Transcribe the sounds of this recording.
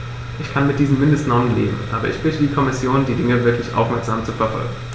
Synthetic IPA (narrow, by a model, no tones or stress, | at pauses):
ʔɪçkʰanmɪt̚d̥iːzəm̩mɪndəstnɔənlḛːbm̩ʔaːbɐ̰ʔɪ̰çb̥ɪtədiːkʰɔmɪsjoːndiːdɪŋəvɪɐklɪçʔa̰ʊfmɛɐkz̥aːmt͡sufɛɐfɔ̰lɡŋ̩